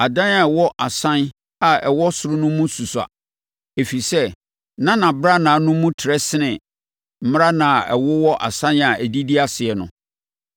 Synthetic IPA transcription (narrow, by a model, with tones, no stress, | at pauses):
a˨dã˦na˨wɔ˦ʔa˨sã˦n | a˨ɛ˨wɔ˦sʊ˦ɾʊ˦nʊ̃˦mũ˦su˨sa̰˨ | e˨fi˨sɛ˦ | nã˦nã˨bɾa˦nã˨nʊ̃˦mũ˦tʰɪ˨ɾɛ˦sɪ˦nɪ̃˨ | m̩˦m˦ɾa˦nã˨ɛ̰˨wʊ˦wɔ˦ʔa̰˨sã˦na˨æ˨di˦di˦a˨sɪ˨ɛ˨nʊ̰̃˨